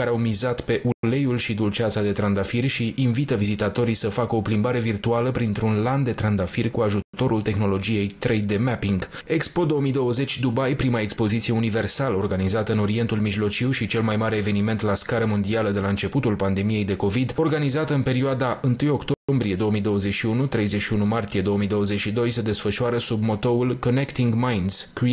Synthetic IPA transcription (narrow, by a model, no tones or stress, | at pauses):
aɾeawmizat̪pe̞ʔule̞julʃid̪ult͡ʃat̪sad̪e̞t̪ɾand̪afirʲʃiːnvit̪əvizit̪at̪o̞ɾijsəfakəo̞plimbaɾe̞virt̪ualəpɾint̪ɾunland̪e̞t̪ɾand̪afirʲkuaʒut̪t̪o̞ɾult̪e̞xno̞lo̞d͡ʒije̞jt̪ɾejd̪e̞mɛpiŋɡ | ekspo̞d̪o̞wəmijd̪o̞wəze̞t͡ʃʲd̪ubajpɾimaekspo̞zit̪sije̞unive̞rsaləo̞rɡanizat̪əɨno̞ɾie̞nt̪ulmiʒlo̞t͡ʃiwʃit͡ʃe̞lmajmaɾe̞ːve̞nime̞nt̪laskaɾəmo̞nd̪ialəd̪e̞laɨnt͡ʃe̞put̪ulpand̪e̞mije̞jd̪e̞ko̞vid̪o̞rɡanizat̪əɨnpe̞ɾioad̪aɨnt̪ɨjo̞kt̪oo̞mbɾije̞d̪o̞əmijd̪o̞wəzeʃiunut̪ɾe̞jzeʃiunumart̪ije̞d̪o̞əmijd̪o̞wəzet͡ʃʃid̪o̞jsed̪e̞sfəʃuaɾəsubmo̞t̪o̞ulko̞ne̞kt̪iŋɡmajnz̥kɾi